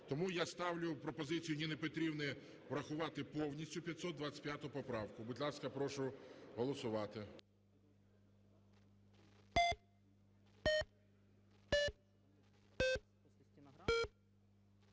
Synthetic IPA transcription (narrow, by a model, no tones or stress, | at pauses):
t̪ɔmujast̪ɑwlʲʊpɾɔpɔzɪt͡sʲijʊninepɔt̪ɾʲibnɪ | ʋɾɐxʊʋɑt̪ɪpɔwnʲisʲtʲʊpʲjɐt̪ʲsɔd̪d̪ʋatt͡sʲɐ̥pʲjat̪ʊʊpɔpɾɑwkʊbudʲlˠɑskɐpɾɔʃʊɦɔlˠɔsʊʋɑt̪ɪ